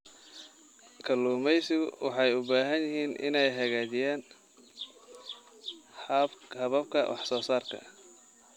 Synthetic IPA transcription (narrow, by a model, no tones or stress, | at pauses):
kʰɐluːmɛjsɪɣʊwɑħɑjʊbaːɦɐnjɪɦiːnʔɪ̰nɛjɦɐɣaːd͡ʒɪjaːn | hɐβɐb̚kʰɐ̰wʔɑ̰ħsɔːsaːrkʰɐ̰